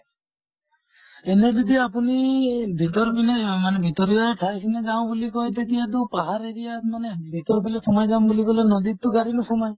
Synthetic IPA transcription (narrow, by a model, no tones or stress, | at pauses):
ɛnɛd͡ʒɔd̪iapunibʱit̪ɔɾbinemanɛbʱit̪ɔɾijɔɛʈʰajkʰinɛd͡ʒaw̃bulikɔjt̪̬et̪ijat̪̬ɔpaɦaɾeɾijamanebʱit̪ɔɾbilɛsʰɔmɔjd͡ʒambulikɔlenɔd̪it̪ːuɡaɾinusʰɔmaj